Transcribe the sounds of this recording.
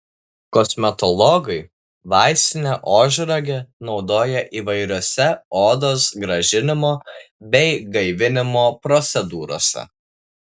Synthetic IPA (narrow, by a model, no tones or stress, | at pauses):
kɔsʲmʲɛt̪ɔlˠɔɡɐɪ | ʋɑˑɪsʲt̪ʲɪnʲɛʔoːʒʲɾɐɡʲɛnɒʊd̪oːjɛʔiːʋɐɪɾʲoːsʲɛoːd̪oːsɡɾɐʒʲɪnʲɪmoːbʲɛɪɡɐɪʋʲɪnʲɪmoːpɾɔt̪sʲɛd̪uːɾo̰ːsʲɛ̰